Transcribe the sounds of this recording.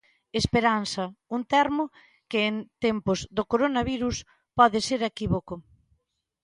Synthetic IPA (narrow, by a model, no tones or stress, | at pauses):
espeɾansɐunt̪ɛɾmʊ | kɪːnt̪empʊzðokoɾonɐβiɾus | pɔðɪseɾekiβoko